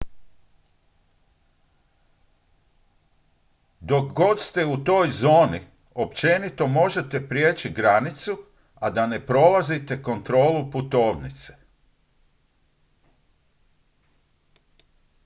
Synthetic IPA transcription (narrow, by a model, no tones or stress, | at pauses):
d̪o̞kɡo̞t̪st̪e̞ut̪o̞ːjzo̞ːni | o̞pt͡ʃe̞nit̪o̞mo̞ʒe̞t̪e̞pɾjeːt͡ʃiɡɾanit̪su | ad̪ane̞pɾo̞lazit̪e̞ko̞nt̪ɾo̞ːluput̪o̞ːʋnit̪se̥